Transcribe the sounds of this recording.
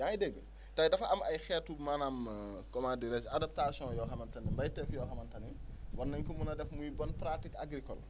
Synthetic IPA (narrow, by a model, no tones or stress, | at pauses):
jaidɛɡːə | tɐjdɐfɐmɐjxɛːtumanaːmkɔmadiɾɛsadap̚tasjɔ̃jɔːxɐmɐntɐnimbɐjtɛfjɔːxɐmɐntɐniwɔnːɐɲkumunɐdɛfmujbɔnpɾatikaɡɾikɔl